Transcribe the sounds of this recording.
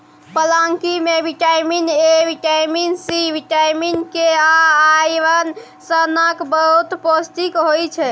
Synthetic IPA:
pəlãŋkimebiʈajminebiʈajminsibiʈajminkeãajʋən | sənəkbəɦut̪post̪ikɦojt͡ʃʰɛ

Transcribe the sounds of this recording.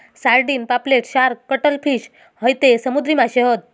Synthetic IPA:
saɾɖiːnpapleʈɕaɾkəʈəlfiːɕ | həjt̪esəmud̪ɾimaɕeɦət̪̚

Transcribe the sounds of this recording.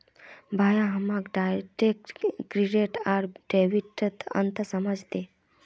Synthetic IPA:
bʱaːjãɦəmaɡɖaʈekkɾiɖeʈaɾɖeʋiʈət̪ə̰nt̪ʰəsəməd͡ʒt̪e

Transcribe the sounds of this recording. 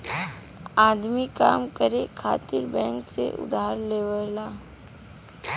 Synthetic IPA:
aːd̪mika̰ːmkəɾekʰa̰ːt̪ɪɾbɛ̃ːŋksḛʔʊ̰d̪aːɾleːʋəlaː

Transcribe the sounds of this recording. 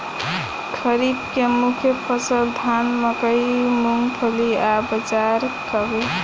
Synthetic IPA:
kʰəɾibkemukʰjəpʰəsəld̪ʱanməkəjmuŋɡpʰəliabəd͡ʒaɾkəbe

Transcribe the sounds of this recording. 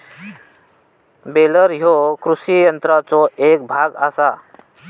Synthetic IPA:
beləɾɦokɾusijənt̪ɾat͡sɔek̚bʱaɡasa

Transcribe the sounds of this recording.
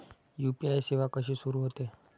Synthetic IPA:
jupiajseʋakəʃisuɾuɦət̪e

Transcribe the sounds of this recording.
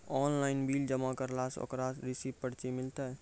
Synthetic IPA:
ɔːnlaɪnbiːld͡ʒəmakəɾlaso̰kɾaɾisippəɽt͡ʃimɪlt̪ɛ

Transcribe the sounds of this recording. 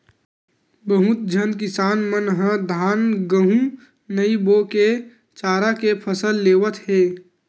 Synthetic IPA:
bəɦʊt̪̚d͡ʒʱənkɪsaːnmənɦə̃d̪ʱaːnɡəɦũ | nəiboke | t͡ʃaːɾakepʰəsəlːeːʋət̪ɦeː

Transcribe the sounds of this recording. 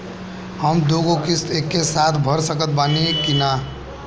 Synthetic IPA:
həmd̪oɡokisekːesat̪ʰbʱəɾsəkət̪̚banikina

